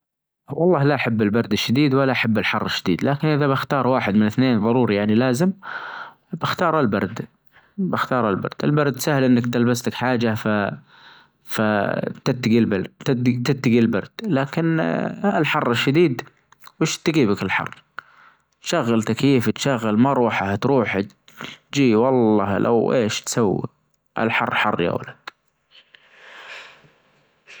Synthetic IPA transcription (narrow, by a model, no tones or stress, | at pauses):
wɑlˤːɑːhlaʔaħabːɪlbɑɾˤd̪ɪʃːad̪iːd̪walːaʔaħabːɪlħɑrˤːɪʃːad̪ḭːd̪laːkɪnʔɪðabɪxt̪ɑːɾˤwaːħɪd̪mɪnɪθneːnðˤɑɾˤuːɾijaʕnilaːzɪm | bɪxt̪ɑːɾˤalbɑ̰ɾˤd̪ | bɪxt̪ɑːɾˤalbɑ̰ɾˤd̪̥ɪ̰lbɑɾˤd̪sahɪlʔɪnːakt̪ɪlbaslakħaːd͡ʒafa | fat̪ɪt̪ːaɡilbat̪t̪ɪt̪ːaɡilbɑɾˤd̪̥laːkɪnɪlħɑrˤːɪʃːad̪iːd̪ | wɪʃt̪ɡiːbakɪlħɑ̰rˤː | t̪ʃaɣːalt̪akjiːft̪ʃaɣːalmaɾˤuːħaht̪ɾuːħa | d͡ʒiːwɑlˤːɑːlʔa̰wʔeːʃt̪sawːḭ | ʔa̰lħɑrˤːħɑrˤːja̰w̰lad̪